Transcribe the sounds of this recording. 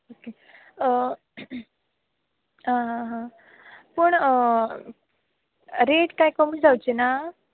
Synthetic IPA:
oke | ə | ɦãɦãɦã | pəɳ | ɾeʈkajkɔmiːd͡zawt͡ɕena

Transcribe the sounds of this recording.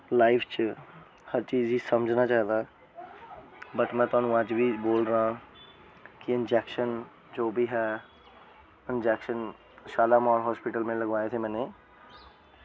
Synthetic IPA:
laːɪpʰt͡ʃ | həɾt͡ʃiːzisəməd͡ʒʱnat͡ʃaːɦd̪aː | bət̪mɛ̃ːt̪ʊãːnũəd͡ʒbʱiboːlɾəɦã | kiɪnd͡ʒɛːkʃən | d͡ʒoːbʱiɦɛː | ɪnd͡ʒɛːkʃən | ʃaːlaːmɔːɾɦɔːspɪʈəlmẽləɡʋaːet̪ʰemɛ̃ːneː

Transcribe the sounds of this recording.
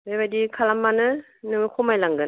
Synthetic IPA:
bebajdikʰalamːanɯ | nɯŋɯkʰɔmajlaŋɡɯn

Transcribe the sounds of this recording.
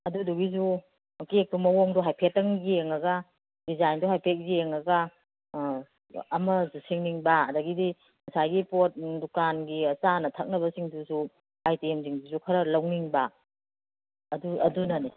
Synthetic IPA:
ɐduduɡizu | kek̚tumɐwoŋdɔɦajpʰet̚ːɐŋɡieŋɐɡɐ | dizajndɔɦajpʰet̚ɡijeŋɐɡɐ | mɐzusiŋniŋbaɐdɐɡidi | mɐsajɡipot̚dukanɡisanɐtʰɐk̚nɐbɐsiŋdusu | ajtiemziŋduzukʰɐɾɐlɐwniŋba | ɐduɐdunɐni

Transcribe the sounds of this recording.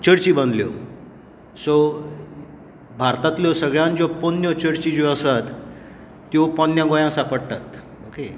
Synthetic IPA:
t͡ɕəɾt͡ɕibənd̪ljo̰ | so | bʱaɾt̪at̪ljosəɡɭjãnd͡ʑoponjɔt͡ɕəɾt͡ɕid͡ʑoəsat̪ː | jopɔnjãɡojãsapəɽt̪at̪ | oke

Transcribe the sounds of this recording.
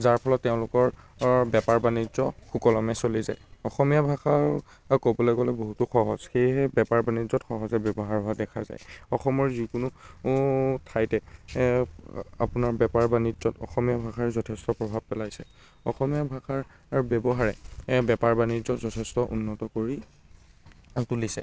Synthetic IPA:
zaɹpʰɔlɔtːɛʊ̃lʊkɔɹbɛpaɹbanizɔxukɔlɔmɛsoliza̰jɔxɔmijabʱaxa | kobɔlɔjɡɔlɛboɦutuxɔɦɔz̥xejɦɛbɛpaɹbanizɔtxɔɦɔzɛbjɔbɔɦaɹbʱadɛkʰaza̰jɔxɔmɔɹzikʊnʊ | tʰajtɛ | a̰pʊnaɹbɛpaɹbanizɔtɔ̰xɔmijabʱaxaɹzɔtʰɛstɔpɹɔbʱab̚pɛlajsɛ̰ | ɔ̰xɔmijabʱaxaɹ | ɹbjɛbɔɦaɹɛbɛpaɹbanizɔzɔtʰɛstɔʔṵnːɔtɔkoɹi | tulisɛ̰

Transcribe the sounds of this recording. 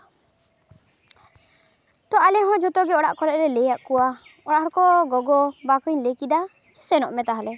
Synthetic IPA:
t̪ɔʔalɛɦɔ̃d͡ʒɔt̪ɔɡɛɔɽaʔkɔlɛʔ̚ɾɛlɛjaʔkɔwa | ɔɽaʔhɔɽɔkɔɡɔɡɔbakɯɲlekid̪a | t͡ʃɛ̥sɛnɔʔmɛt̪aɦalɛ

